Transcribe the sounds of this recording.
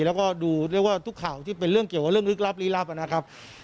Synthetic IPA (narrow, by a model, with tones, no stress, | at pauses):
lɛ˦˥wkɔː˥˩duː˧ɾɯ˥˩əkwaː˥˩t̪ʰu˦˥kʰːa˨˩˦wt̪ʰiː˥˩pe˧nɾɯ˥˩əŋki˨˩wka˨˩ɾɯ˥˩əŋlɯ˦˥k̚la˦˥p̚liː˦˥la˦˥p̚ʔa˧na˦˥kʰa˦˥p̚